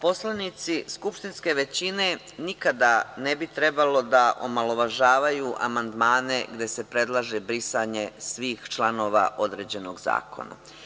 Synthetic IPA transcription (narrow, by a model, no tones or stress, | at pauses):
po̞slˠanit̪siskupʃt̪inske̞ʋe̞t͡ɕine̞nikad̪anebit̪ɾe̞balo̞d̪aʔo̰malˠo̞ʋaʒaːʋajuʔa̰mand̪maːne̞ɡd̪e̞sepɾe̞d̪lˠaʒebɾisaɲe̞sʋiːxt͡ʃlˠano̞ːʋa̰ʔo̞d̪ɾe̞ːd͡ʑe̞no̞ɡza̰ːko̰na̰